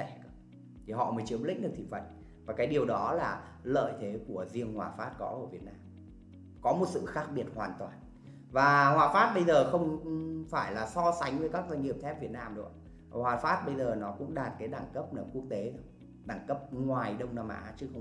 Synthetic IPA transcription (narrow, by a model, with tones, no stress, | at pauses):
ɛ˧˩˧ | t̪ʰi˨˩ɦɔ̰˧˨məː˨˦jt͡ɕɨ˨˦əmlḭ˧˥ɗɨ˨˩ək̚t̪ḭ˧˨˩fə̰˧˨n | vaː˨˩kaː˨˦jɗi˨˩əwɗɔ˨˦laː˨˩ | lə̰ː˧˨jt̪ʰe˨˦ku˧˩əzi˧əŋhwaː˨˩faː˦˥t̚kɔ˨˦ʔə˧˩vi˨˩ət̚naː˧m | kɔ˨˦mo˨˩t̚sɨ̰˧˨xaː˦˥k̚ɓi˧˩ət̚hwaː˨˩nt̪waː˨˩n | vaː˨˩hwaː˨˩faː˦˥t̚ɓə˧jzəː˨˩xə˧wŋ͡mfaː˧˩jlaː˨˩sɔ˧sa˨˦ŋ̟və˨˦jkaː˦˥k̚za˧jŋ̟hi˨˩əmt̪ʰɛ˦˥p̚vi˨˩ət̚naː˧mɗʊ̰˨˦ | hwaː˨˩faː˦˥t̚ɓə˧jzəː˨˩nɔ˨˦kʊ̰˧˥ŋ͡mɗaː˨˩t̚kaː˨˦jɗaː˧˩ŋkə˦˥p̚nəː˧˩mku˦˥ək̚t̪e˨˦˧ | ɗaː˧˩ŋkə˦˥p̚ŋwaː˨˩jɗə˧wŋ͡mnaː˧mʔa̰ː˨˦t͡ɕɨ˨˦xə˧w